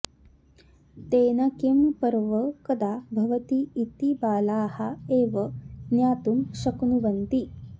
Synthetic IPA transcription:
t̪eːnɐkempɐɾʋɐkɐd̪aːbʱɐʋɐt̪iːt̪ibaːlaːhɐeːʋɐnjaːt̪umʃɐknuʋɐnt̪i

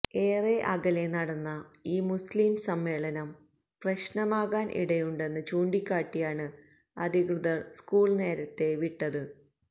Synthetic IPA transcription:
e̞ːreʔɐɣɐle̞nɐɽɐnːɐiːmusliːmsɐmːe̞ːɭɐnɐm | prɐɕnɐmaːɣaːnʔḭɽɐjuɳɖe̞nːɨt͡ɕuːɳɖikʲːaːʈːijaːɳɨ | ɐd̪ʱikrɨðɐrskuːɭne̞ːɾɐt̪ːe̞ʋiʈːɐðɨ

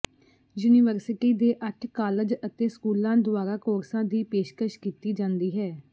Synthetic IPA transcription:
juːniʋəɾsɪʈiːd̪eːʔəʈʰkaːləd͡ʒət̪eːskuːlãːd̪ʊaːɾaːkoːɾsãːd̪iːpeːʃkəʃkiːt̪iːd͡ʒãːnd̪iːɦɛː

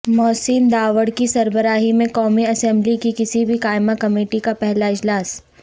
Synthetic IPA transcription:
mɔːsind̪aːʋəɽkisɐɾbəɾaːɦimẽkɔːmiɐsɛ̃mblikikɪsibʱikaːɪmakɐmeːʈikapɛɦlaɪd͡ʒlaːs

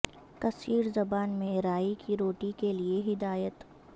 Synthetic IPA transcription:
kɐsiːɾzɐbaːnmẽɾaːikʰiɾoːʈikelieɦɪd̪aːjət̪

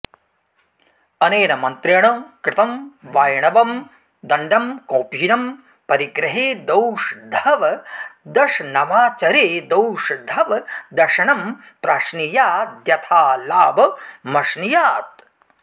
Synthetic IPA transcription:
ɐneːnɐmɐnt̪ɾɐɳoːkɾɪt̪ɐmʋaːjɐɳɐʋɐm | d̪ɐɳɖʱɐmkoːpjinɐm | pɐɾiɡɾɐɦeːd̪ɐwʂd̪ʱɐʋɐd̪ɐʂnɐmaːt͡ʃɐɾeːd̪ɐwʂd̪ʱɐʋɐd̪ɐʂɐɳɐm | pɾaːʃnijaːd̪jɐt̪ʰaːlaːbɐmɐʃnijaːt̪̚

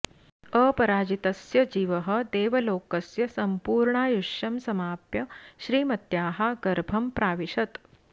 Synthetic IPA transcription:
əpɐɾaːd͡ʑit̪ɐsjɐd͡ʑiːʋəɦə̆d̪eːʋɐloːkəsjɐsɐmpuːɾɳaːjuʂɐmsɐmaːpjɐɕɾiːmɐt̪jaːɦaɡɐɾbʱɐmpɾaːʋiɕɐt̪

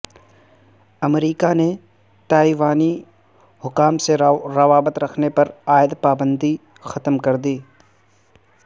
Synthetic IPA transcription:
ɐmɾiːkane | t̪aːiʋaːni | ɦʊkaːmseɾɐʋaːbət̪ɾɐkʰnepɐɾaːɪd̪paːbə̃nd̪i | xɐt̪mkɐɾd̪iː

